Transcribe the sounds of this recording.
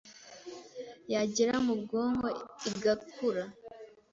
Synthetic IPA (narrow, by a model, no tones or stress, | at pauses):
jaɟeɾamub̚ɡo̞ːŋho̞iɡakʰuɾa